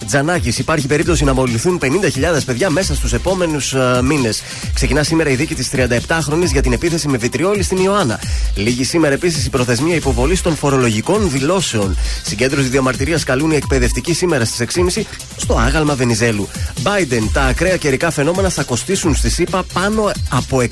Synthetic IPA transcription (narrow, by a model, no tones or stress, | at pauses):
d͡zɐnɐcisipɐɾçipe̞ɾip̚t̪o̞sinɐmo̞liθunpe̞nind̪ɐçiʎɐðe̞spe̞ðʝɐme̞sɐst̪use̞po̞me̞nusmine̞s | kse̞cinɐsime̞ɾɐiðicit̪ist̪ɾiɐnd̪ɐe̞pt̪ɐxɾo̞nizʝɐt̪ine̞piθe̞simevit̪ɾio̞list̪inioɐnɐ̰liʝisime̞ɾɐepisisipɾo̞θe̞zmiɐipo̞vo̞list̪o̞nfo̞ɾo̞lo̞ʝiko̞nðilo̞se̞o̞nsiɲɟend̪ɾosizðiomɐɾt̪iɾiɐskɐlunie̞k̚pe̞ðe̞ft̪icisime̞ɾɐst̪i̥se̞ksimisi | st̪o̞ɐɣɐlmɐve̞nize̞lubɐjd̪e̞nt̪ɐːkɾeɐce̞ɾikɐfe̞no̞me̞nɐθɐko̞st̪isunst̪isipɐpɐno̞ɐpo̞e